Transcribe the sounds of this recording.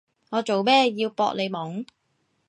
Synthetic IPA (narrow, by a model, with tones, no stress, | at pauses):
ŋɔː˨˧t͡so˨wmɛː˥jiː˧wpɔ̰ː˧k̚le˨˧jmɔː˨˥ŋ